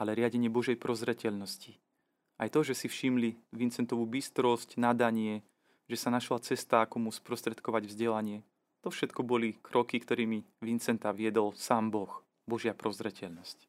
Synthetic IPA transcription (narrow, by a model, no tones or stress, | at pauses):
alɛɾɪaɟɛɲɪɛbɔʒɛjpɾɔzɾɛcɛʎnɔsci | ajt̪ɔʒɛsifʃimliʋint͡sɛnt̪ɔʋuːbist̪ɾɔscnad̪aɲɪɛ | ʒɛsanaʃlat͡sɛst̪aːkɔmuspɾɔst̪ɾɛt̪kɔʋaɟvzɟɛlaɲɪɛ | t̪ɔfʃɛt̪kɔbɔlikɾɔkikt̪ɔɾiːmiʋint͡sɛnt̪aʋɪɛd̪ɔlsaːmbɔx | bɔʒɪapɾɔzɾɛcɛʎnɔsc